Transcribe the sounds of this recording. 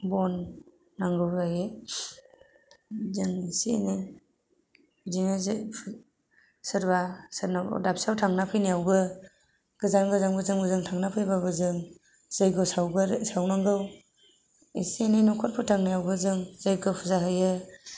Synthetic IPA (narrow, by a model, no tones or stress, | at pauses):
bɔnː | aŋɡɯwzajɯ | zɯŋesiḛnej | zinezpʰ | sɯɾbasɯɾna̰dap̚sawtʰaŋnapʰɯjnijawbɯ | ɡ̥ɯzanɡɯzaŋbɯzɯŋbɯzɯŋtʰaŋnapʰɯjbabɯzɯŋ | z̥ɯjɡɯsawɡɯsawnaŋɡɯw | ḛsienejnɔkʰɔt̚pʰɯtʰaŋnijawbɯzɯŋzɯjɡɯpʰuzaɦɯjɯ